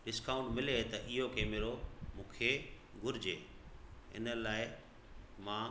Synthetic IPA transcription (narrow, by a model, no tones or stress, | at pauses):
ɖɪskaːʊ̃ɳʈmɪlet̪ɐʔɪɦokeːmeːɾomũːkʰe | ɡʊɾɪd͡ʑeː | ɪ̰nə̆laːɪ | mãː